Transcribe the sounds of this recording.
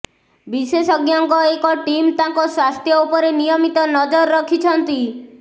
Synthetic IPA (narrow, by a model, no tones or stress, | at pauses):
bisesɔɡjaŋkɔekɔʈimt̪ãŋkɔswast̪ʰjɔupɔɾenijɔmit̪ɔnɔd͡ʒɔɾɾɔkʰit͡ʃʰɔnt̪i